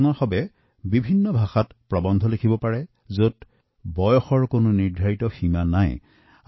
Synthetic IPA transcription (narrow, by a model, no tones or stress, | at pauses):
nɔxɔbɛ | bibʱinːɔbʱaxatpɹɔbɔndʱɔlekʰibɔpaɹɛ | zot | bɔjɔxɔɹkonʊniɹdʱaɹitɔximanaj